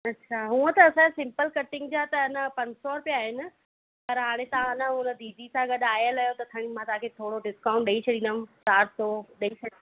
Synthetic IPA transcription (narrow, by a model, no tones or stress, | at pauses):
ɐtːɕʰaːɦũːə̃t̪ɐːsãasɪ̃mpəlkɐʈɪ̃ŋɡd͡ʑaːt̪ɐɐnəpɐ̃ɲd͡ʑsɔɾpijaːɦɪnɪ̆ | pɐɾɦaːɽ̃ẽt̪ɐãnəɦʊnəd̪iːd̪isãɡɐɗaːjəlaːjot̪ɐt̪ʰɐɽ̃imãt̪ɐɦãkʰet̪ʰoːɽoɖɪskãʊ̃ɳʈɗɐit͡ɕʰɐɗĩn̆d̪əmsaːɾt̪oɗɐit͡ɕʰɐ